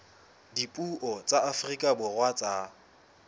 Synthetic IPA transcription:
dipʼuʔɔt͡sʼaafrikʼabʊrwat͡sʼa

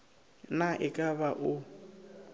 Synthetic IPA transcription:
naʔɪkʼabaʔʊ

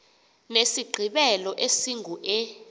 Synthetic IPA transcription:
nesiɡ͡ǃʱiɓɛlɔʔesiŋʱuʔɛ

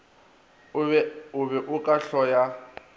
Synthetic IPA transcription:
ʊβɛʔʊkʼaɬɔja

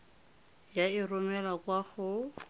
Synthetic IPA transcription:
jaɪrʊmɛlakwaχʊ

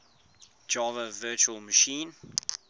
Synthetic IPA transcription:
d͡ʒɑːvəvɜːˑt͡ʃuəlˠməʃĩːn

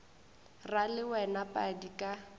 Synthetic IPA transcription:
ralɪwɛnapʼadikʼa

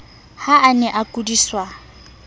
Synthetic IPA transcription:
haʔːnɛʔakʼudiswa

